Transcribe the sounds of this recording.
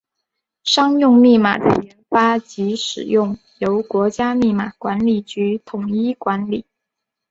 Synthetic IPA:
ʂɑ˥ŋjʊ˥˧ŋmi˥˩ma̰˨˩d̪ə̰˧jɛ˧˥nfa˥t͡ɕi˧˥ʂɻ̩˨˩jʊ˥˩ŋ | jo˧˥ʊkwɔ˧˥t͡ɕja˥ni˥˩ma˨˩kwa˧˥nli˨˩t͡ɕy˧˥t̪ʰʊ˨˩ŋi˥kwa˧˥nli˨˩˦

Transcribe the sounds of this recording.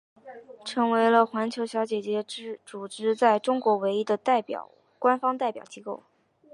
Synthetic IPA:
ʈ͡ʂʰɤ˧˥ŋwe˧˥ɪlə˧xwa˧˥nt͡ɕʰjo˧˥ʊɕjɑ˧˥ʊt͡ɕjɛ˨˩t͡ɕjɛ˧˥ɻ̩˥ʈ͡ʂu˨˩ʈ͡ʂɻ̩˧˥t͡sa˥˩ɪʈ͡ʂʊ˥ŋkwɔ˧˥we˧˥ɪi˥d̪ə˨t̪a˥˩ɪpjɑ̰˨˩ʊ | kwa˥nfɑ˥ŋt̪a˥˩ɪpjɑ˨˩ʊt͡ɕi˥ko˥˩ʊ

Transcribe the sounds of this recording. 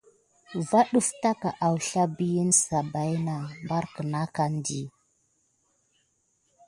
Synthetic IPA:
va˦ɗu˦fta˦ka˨ʔa˨wɬa˦bi˦ji˦nsa˨ba˨jna˨mba˦ɾkə˨na˦ka˦n˦di˨

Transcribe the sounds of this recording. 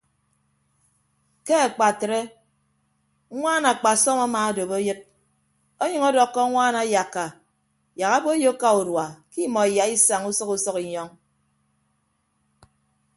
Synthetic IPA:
ke˦a˨k͡pa˨tɾe˦ | ŋʷaː˦na˨k͡pa˨sɔ˦ma˦ma˨a˨˦do˨βo˦jɨ˦t̚ | o˦ɲʌ˨ŋɔ˦dɔ˨kːɔ˦ŋʷaː˦na˨˦ja˨kːa˨ | ja˨ka˦bo˦jo˦kːa˦u˨dwa˨ki˦mɔ˨i˨ja˨i˦sa˨ŋu˦sɔ˦ku˦sɔ˦ki˨ɲɔ˦ŋ

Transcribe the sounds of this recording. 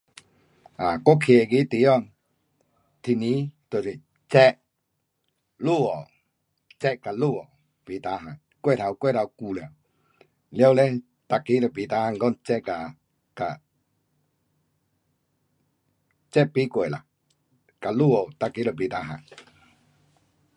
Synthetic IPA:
a˨ko˦kʰe˨ɡi˦t̪i˧˨˦ɔ˧˨ŋ | t̪ʰi˧˨nĩ˧˦t̪e˨si˨ | t͡ʃɛ˦ʔ | lu˦˨o˨ | t͡ʃɛ˦ʔka˨lu˦˨o˨ | pi˨t̪a˨˧˦ɦã˨ŋ | kwe˦˨ɾa˨wkwe˦˨ɾa˧˨wku˨le˨ | ljo˦wle˦ | t̪a˧ki˦ɾə˧˨bi˨t̪a˧˦hã˧˨ŋɡɔ˦˨nt͡ʃɛ˦ʔka˨ | ka˨ | t͡ʃɛ˦ʔpi˦kʷe˨la̰˨ | ka˨lu˦˨o˨t̪a˧ki˧˦lo˧˨bi˨t̪a˨˦ɦã̰˨n

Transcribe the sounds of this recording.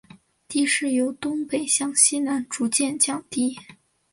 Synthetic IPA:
t̪i˥ʂɻ̩˥˩jo˧˥ʊt̪ʊ˥ŋpe˨˩ɪɕjɑ˥˩ŋɕi˥na˧˥nʈ͡ʂu˧˥t͡ɕjɛ˥˧nt͡ɕjɑ˨˩ŋt̪i˥

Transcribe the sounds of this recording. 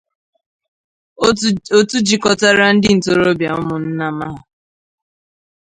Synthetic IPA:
o˦tu˦d͡ʒi˦kɔ˨ta˦ɾa˦n̩˦dɪ˦n̩˨to˨ɾo˦bja˨ʊ˦mʊ˨n̩˦na˦ma˦ɦa˨

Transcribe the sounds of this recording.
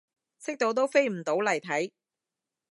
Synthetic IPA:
sɪ˥k̚t̪o˨˧wt̪̬o˥wfe˥jm̩˨˩t̪o˨˥wlɐ˨˩jt̪ʰɐ˨˥j

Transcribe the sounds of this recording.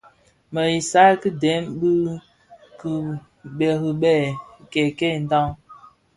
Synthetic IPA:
mə˨i˨sa˦ki˦de˨˦mbɨ˦ | ki˨ | ɓe˨ki˨ɓɛ˦˨ke˨ke˦˨n̩˦da˦ŋ

